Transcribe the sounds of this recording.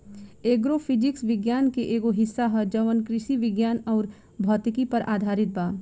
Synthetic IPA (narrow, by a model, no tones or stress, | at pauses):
eːɡɾopʰɪd͡ʒɪksʋɪɡjaːnkeʔeːɡoɦɪsːaɦɐd͡ʒɐʋənkɾɪʃiʋɪɡjaːnɔːɾ | bʱɔːt̪ɪkipɐɾʔaːd̪ʱaːɾɪt̪̚baː